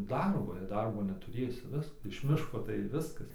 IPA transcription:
ˈdɐrboː jɛɪ ˈdɐrboː nʲɛtʊˈrʲeːsʲɪ ˈʋʲɪsk ɪʃ ˈmʲɪʃkoː tɐɪ ˈʋʲɪskɐs

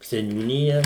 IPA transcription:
sʲɛnʲuːˈnʲɪjɛ

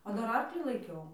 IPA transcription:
oː ˈdɐr ˈɐrklʲiː lˠɐɪˈkʲɛʊ

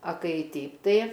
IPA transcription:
ɐ ˈkɐɪ ˈtʲɛɪp ˈtɐɪ

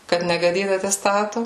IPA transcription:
ˈkɐt nʲɛɡɐˈdʲiːt ɐtʲɛˈstɑːtʊ

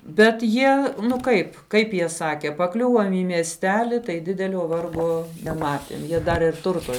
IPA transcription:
bʲɛt ˈjiɛ ˈnʊ ˈkɐɪp ˈkɐɪp jiɛ ˈsɑːkʲɛ pɐˈklʲʊʋoːm iː mʲiɛsʲˈtʲæːlʲɪ tɐɪ ˈdʲɪdʲɛlʲoː ˈʋɐrɡoː nʲɛˈmɑːtʲeːm ˈjiɛ ˈdɐr ɪr ˈtʊrtoː

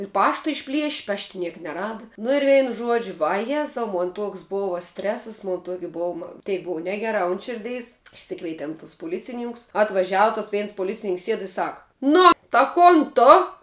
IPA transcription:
ɪr ˈpɑːʃtɐ ɪʃʲˈpʲlʲiɛʃʲ ˈpɑːʃʲtʲɪ ˈnʲiɛk nʲɛˈrɑːdɐ nʊ ɪr ˈʋʲɛɪn ˈʒuɔd͡ʒʲʊ ʋɐˈjæːzɐʊ ˈmoːn ˈtoːks ˈboːʋɐ ˈsʲtʲrʲæːsɐs ˈmoːn ˈtuɔkʲɪ ˈbuɔm ˈtʲɛɪk ˈbʊʋoː ˈnʲæːɡʲɛˌrɑː ʊn ˈʃʲɪrʲdʲɛɪs ɪʃʲˈsʲɪkʋʲɛɪtʲɛm tʊs pʊˈlʲɪt͡sʲɪnʲɪŋkʊs ɐtʋɐˈʒʲæːʋʊ tɐs ˈʋʲɛɪns poːˈlʲɪt͡sʲɪnʲɪŋks ˈsʲiɛt ɪ ˈsɐk ˈnʊ tɐ ˈkoːn ˈtʊ

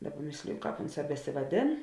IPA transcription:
ˈdɑːˌbɐ ˈmʲeːsʲlʲɪjʊ ˈkɑːp ˈoːnˌsɑː bʲɛsʲɪʋɐˈdʲeːn

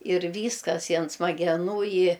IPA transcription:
ɪr ˈʋʲiːskɐs ɪ ɐn smɐɡʲɛˈnuː ɪ

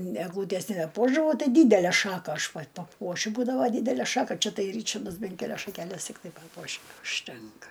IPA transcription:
ɛɡˈlˠuːtʲɛs nʲɛbʲɛˈpuɔʒdɐʋɐʊ ˈtɐɪ ˈdʲiːdʲælʲæ ˈʃɑːkɐ ɐʃ pɐt pɐˈpuɔʃʲʊ ˈbuːdɐʋoː ˈdʲiːdʲælʲæ ˈʃɑːkɐ ˈt͡ʃʲɛ ˈtɐɪ ˈrʲiːt͡ʃɐrdɐs ˈbʲɛn kʲɛˈlʲɛs ʃɐkʲɛˈlʲɛs tʲɪkˈtɐɪ ˈpɑːpuɔʃʲɪ ʊʃʲˈtʲɛŋkɐ

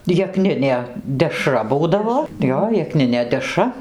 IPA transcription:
jɛˈknʲɪnʲeː dʲɛˈʃrɐ ˈbuːdɐʋoː ˈjoː jɛkˈnʲɪnʲeː dʲɛˈʃrɐ

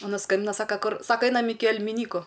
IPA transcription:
ɐˈnɐ ˈskɐmʲbʲɪnɐ ˈsɑːkɐ ˈkʊr ˈsɑːkɐ ˈɐɪnɐm ˈɪkʲɪ ɛlʲmʲɪˈnʲiːkʊ

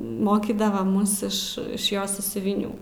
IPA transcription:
ˈmoːkʲiːdɐʋɐ ˈmʊs ˈɪʃ ɪʃ ˈjoːs sɑːsʲʊʋʲɪˈnʲuː

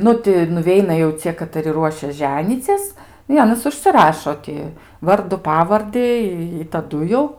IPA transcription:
ˈnʊ tʲɪ nʊˈʋʲɛɪnɐ jɛʊ ˈt͡sʲiɛ kɐtɐˈrʲɪ ˈruɔʃʲɛs ˈʒʲæːnʲiːt͡sʲɪs ɪ ˈɑːnʲiːs ʊʃʲsʲɪˈrɑːʃoː tʲɪ ˈʋɐrdʊ ˈpɑːʋɐrʲdʲɪ ɪ ɪ tɐˈdʊ jɛʊ

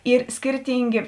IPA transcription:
ˈiːr ˈsʲkʲɪrʲtʲiːŋʲɡʲeː

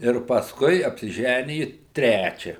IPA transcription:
ɪr pɐsˈkʊɪ ɐpʲsʲɪˈʒʲænʲɪjʊ ˈtʲrʲæt͡ʃʲɛ

